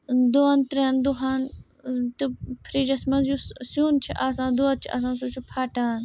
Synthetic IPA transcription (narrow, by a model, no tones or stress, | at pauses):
d̪oːant̪ɾeːnd̪oɦaːn | t̪ɨpʰɾiːd͡ʒɐsmɐ̃zjusjuːnt͡ʃʰiʔaːsãːd̪oːat̪̚t͡ʃʰiʔa̰s̬ãːsuːt͡ʃʰupʰaːʈaːn